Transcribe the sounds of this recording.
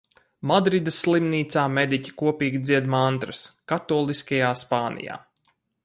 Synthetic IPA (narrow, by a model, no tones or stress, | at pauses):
mad̪ɾid̪ɐsːlˠimniːt̪saːmed̪icʲi̥kuɔpiːɡʲid̪ziɛd̪mant̪ɾɐskat̪ɔːlˠiskajaːspaːnʔḭja̰ː